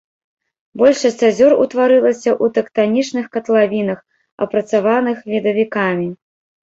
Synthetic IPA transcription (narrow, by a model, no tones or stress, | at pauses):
bɔlʲʂɐsʲt͡sʲazʲɔrṵt̪vaɾɨlˠɐsʲɐʔut̪ɛkt̪anʲit͡ʂnɨxkɐt̪lˠavʲin̪ɐx | ɐ̰pɾɐt̪savanɨxvʲid̪ɐvʲikamʲi